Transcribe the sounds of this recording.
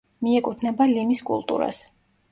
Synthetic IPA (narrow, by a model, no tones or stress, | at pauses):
miɛkʼut̪ʰnɛbalimiskʼṵlˠt̪ʼṵɾa̰s